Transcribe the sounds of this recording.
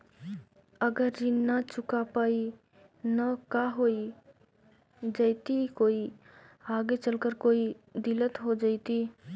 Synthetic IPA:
əɡəɾinət͡ʃʊkapaːi | nəkaɦoi | d͡ʒaɪt̪ikoːi | aːɡet͡ʃəlkəɾkoːi | d̪ilət̪ɦod͡ʒaɪt̪i

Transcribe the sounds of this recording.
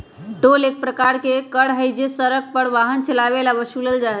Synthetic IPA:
ʈolek̚pɾəkaɾkekəɽɦəjd͡ʒesəɾək̚pəɽʋaɦənt͡ʃəlaʋelabəʃuləld͡ʒaɦ

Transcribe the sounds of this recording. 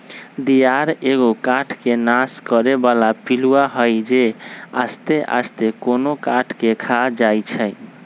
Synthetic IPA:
d̪ijaɾeɡokaʈʰkenaskəɾebalapiluaɦəjd͡ʒea̰st̪eʔa̰st̪ekonokaʈʰkekʰad͡ʒajt͡ʃʰəj

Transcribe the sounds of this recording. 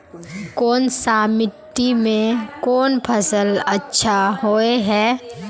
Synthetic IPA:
kɔːnsaːmɪʈ̪imẽkɔːnpʰɐsəlɐtːʃʰaɦoːeɦɛː

